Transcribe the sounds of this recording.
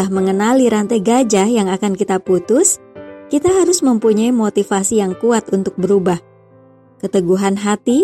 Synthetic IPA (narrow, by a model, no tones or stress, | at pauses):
ahməŋənaliɾant̪aɡad͡ʒajaŋakankit̪aput̪ʊskit̪aɦaɾʊsməmpuɲaimot̪ifasijaŋkuat̪unt̪ʊk̚bəɾubah | kət̪əɡuɦanɦat̪i